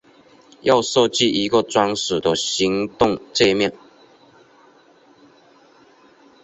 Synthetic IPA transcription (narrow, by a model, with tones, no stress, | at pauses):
jɑ˥˧ʊso˥˧t͡ɕi˥˨ʔi˧˥ɡə˨t͡swa˥ŋʂ̩˨˩d̪ə˦ɕi˧˦ŋt̪ʊ˥˨ŋt͡se˥˧mjɛ˥˨n